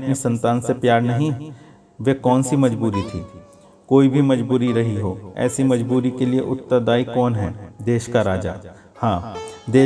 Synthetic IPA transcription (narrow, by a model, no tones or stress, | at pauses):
ɐpnisɐ̃nt̪aːnsepjaːɾnɐɦĩ | ʋekɔːnsimɐd͡ʒbuːɾit̪ʰiː | koːibʱimɐd͡ʒbuːɾiɾɐɦiɦoːɛ̰ːsimɐd͡ʒbuːɾikelieʔʊt̪ːad̪aːikɔːnɦɛːd̪eːʃkaɾaːd͡ʒa̰ː | hãːd̪eː